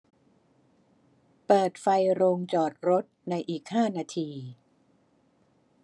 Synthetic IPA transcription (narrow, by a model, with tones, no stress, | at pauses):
pɤː˨˩t̪̚fa˧jɾoː˧ŋt͡ɕɔː˨˩t̪̚ɾo˦˥t̪̚na˧jʔiː˨˩k̚haː˥˩naː˧t̪ʰiː˧